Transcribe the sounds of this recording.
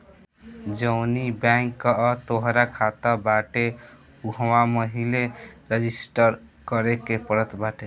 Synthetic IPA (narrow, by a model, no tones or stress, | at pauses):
d͡ʒəwnibaŋkːət̪oɦɾakʰat̪abaʈe | uɦwaməɦileɾed͡ʒisʈəɾkəɾekepəɾət̪baʈe